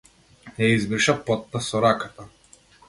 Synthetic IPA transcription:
jɛizbirʃapɔt̪ːasɔɾakat̪a

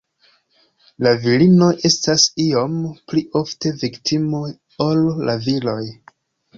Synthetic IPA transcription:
lavilino̞ʔe̞stasiompliʔo̞fte̞viktimo | olːavilo̞j

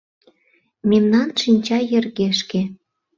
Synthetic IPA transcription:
memnɑnʃinʲt͡ɕɑjĕrɣeʃke

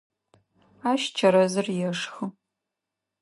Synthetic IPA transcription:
aːʃt͡ʃʰɐɾɐzɨrjɛʂxɨ

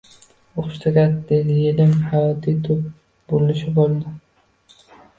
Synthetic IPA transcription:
oχʃt̪ʰaɡʲat̪d̪ed̪jelɪmhajɒt̪ʰit̪ʰʊp̚ | bolɪʃɪbolˠd̪ɪ

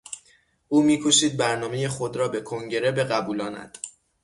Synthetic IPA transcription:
uːmiːkʰoʃiːd̪̚bæɾnɒːme̞jexo̞d̪ɾɒːbe̞kʰoŋɟe̞ɾe̞be̞ɣæbuːlɒːnæ̰d̪̥

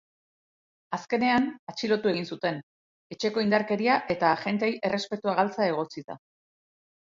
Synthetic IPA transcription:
aske̞ne̞anat͡ʃilo̞t̪ue̞ɣinsut̪e̞n | e̞t͡ʃe̞ko̞ind̪aɾke̞ɾiaʔe̞t̪aʝe̞nt̪̬eejʔe̞re̞spe̞t̪uaɣ̞alt͡sae̞ɣ̞o̞t͡siða̰

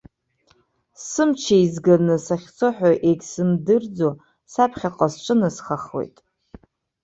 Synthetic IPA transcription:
sɨmt͡ʃʰeizɡanɨsaχʲt͡sʰoħʷᶣaʔeɡʲsɨmdɨrd͡zo | sapʰχʲaqʼasʈ͡ʂʷʼɨnɨsχaχwo̞̰jtʼ

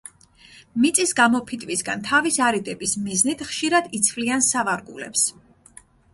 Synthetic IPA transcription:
mit̪sʼisɡamɔpʰit̪ʼvisɡant̪ʰavisaɾid̪ʼɛbismiznit̪ʰχʃiɾad̪it̪sʰvliansavaɾɡulɛ̰ps

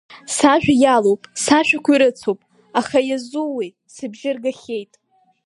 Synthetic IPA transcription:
saʒᶣajalowpʼsaʃᶣakʷʰiɾɨt͡sʰowpʼ | aχajazuwi | sɨbʒɪrɡaχʲe̞jtʼ

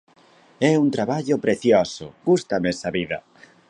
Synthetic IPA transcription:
ɛunt̪ɾaβaʎʊpɾeθjɔsʊ̰ɡ̥ust̪amɛsaβiðɐ

